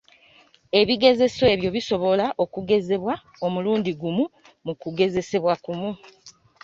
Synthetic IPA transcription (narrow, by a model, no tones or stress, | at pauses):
e̞βiɡe̞ze̞soe̞βjo̞βiso̞βo̞laʔo̞kuɡe̞ze̞βwa | o̞muluːndiɡumu | mukuɡe̞ze̞se̞βwakumu